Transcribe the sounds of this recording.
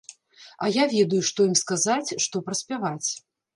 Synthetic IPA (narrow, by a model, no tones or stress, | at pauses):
ajavʲɛd̪ujuʂt̪ɔjimskazat͡sʲʂt̪ɔpɾɐsʲpʲavat͡sʲ